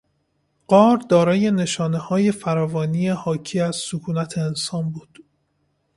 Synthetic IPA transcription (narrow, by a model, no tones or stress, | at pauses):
ɢ̥ɒːɾd̪ɒːɾɒːje̞ne̞ʃɒːne̞hɒːje̞fæɾɒːvɒːniːehɒːcʰiːæz̥sokʰuːnæt̪ʰeːnsɒːnbuːd̪̥